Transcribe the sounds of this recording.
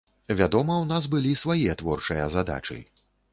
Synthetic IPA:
vʲad̪ɔmɐwnas̬bɨlʲisvajɛt̪vɔrt͡ʂɨjɐzad̪a̰t͡ʂɨ̰

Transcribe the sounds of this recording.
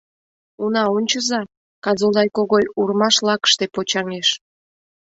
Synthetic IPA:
unɑonʲt͡ɕəzɑ | kɑzod̪ɑjkoɣojurmɑʃlɑkə̥ʃt̪epot͡ɕɑŋeʃ

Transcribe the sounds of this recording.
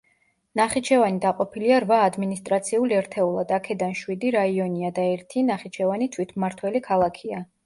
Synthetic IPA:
naχit͡ʃʰɛvanid̪aqʼɔpʰiliaɾvaːd̪minist̪ʼɾat̪sʰiulɛɾt̪ʰɛulˠad̪akʰɛd̪anʃwid̪iɾaiɔniad̪aɛɾt̪ʰinaχit͡ʃʰɛvanit̪ʰwit̪ʰmaɾt̪ʰwɛlikʰalˠakʰia

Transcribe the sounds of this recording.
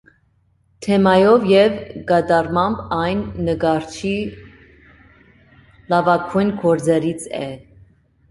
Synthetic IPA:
t̪ʰɛmɑjɔvjɛvɡɑd̪ɑrmɑmbɑjnːəɡɑɾt͡ʃʰi | lɑvɑkʰujnkʰɔɾd͡zɛɾit͡sʰɛ

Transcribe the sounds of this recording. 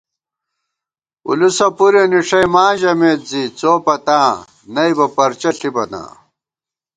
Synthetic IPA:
ṵlusɐpuɾeniʂɐjmãːʑɐmeːt̪̚zit͡soːpɐt̪ãː | nɐibɐpɐɾt͡ɕɐɬibɐna̰ː

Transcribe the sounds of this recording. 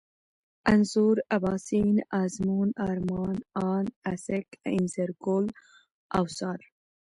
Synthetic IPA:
ɐnzuɾabɑːsinazmuːnaɾmɑːnɑːnasekinseɾɡol | a̰wsɑːɾ

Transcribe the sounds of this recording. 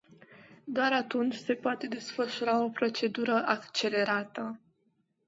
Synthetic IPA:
d̪oaɾat̪unt͡ʃʲse̞poat̪e̞d̪e̞sfəʃuɾao̞pɾo̞t͡ʃe̞d̪uɾəʔakt͡ʃe̞le̞ɾat̪ə

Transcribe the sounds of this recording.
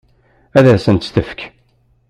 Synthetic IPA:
æðæsənt̪st̪əfk

